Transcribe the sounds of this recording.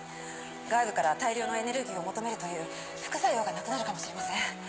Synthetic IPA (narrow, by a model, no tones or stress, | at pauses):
ɡaibɯkaɾat̪aiɾʲo̞ːno̞e̞ne̞ɾɯ̟ɡʲiːo̞mo̞t̪o̞me̞ɾɯ̟t̪o̞jɯ̟ː | ɸɯ̥kɯ̟saiɾoːɡanakɯ̟naɾɯ̟kamo̞ɕiɾe̞masẽ